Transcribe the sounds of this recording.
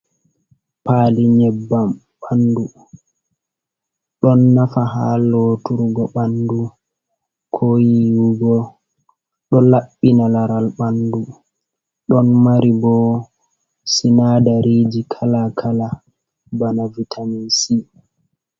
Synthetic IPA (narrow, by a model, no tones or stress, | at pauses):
paːliɲɛbːam | ɓandu | ɗɔnːafaɦalɔtuɾɡɔɓandu | kʰojijuɡɔ | ɗɔlaɓːinalaɾalɓandu | ɗɔnmaɾibɔ | sinadaɾid͡ʒikʰalakʰala | banavitʰamisi